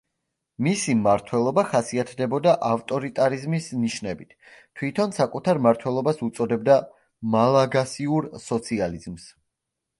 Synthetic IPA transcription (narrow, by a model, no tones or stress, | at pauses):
misimaɾt̪ʰwɛlˠɔbaχasiat̪ʰd̪ɛbɔd̪aʔaft̪ʼɔɾit̪ʼaɾizmisniʃnɛbit̪ʰt̪ʰːwit̪ʰɔnsakʼut̪ʰaɾmaɾt̪ʰwɛlˠɔbasut̪sʼɔd̪ɛbd̪a | malˠaɡasiuɾsɔt̪sʰializms